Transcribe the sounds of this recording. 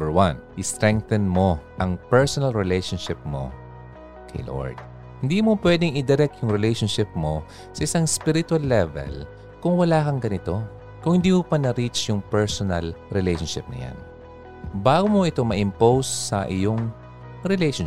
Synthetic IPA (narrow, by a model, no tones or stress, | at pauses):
bəwɐnʔɪst̪ɾɛŋk̚t̪ɐnmo̞ʔɐŋpɛɹsonɐlɹɛlɛjʃonʃɪp̚mo̞̰ | kʰɐ̰jlo̰ɹd̪̥̚ | hɪnd̪iːmopwɛd̪ɪŋɪd̪ɛɾɛk̪̚jʊŋɾɛlejʃonʃɪp̚mo | sɐʔɪsaŋspiɾɪt̪walːɛvɛ̰l | kʊŋwɐlaːkɐŋɡɐnɪt̪o̞ | kʊŋhɪnd̪iːmopɐnɐɾit͡ʃjʊŋpɛɹsonɐlɾɛlejʃonʃɪp̚nɐ̰ja̰n | baːɡomoʔɪt̪o̞mɐʔɪmpowsːɐ̰ʔɪjoŋ | ɾɛlejʃo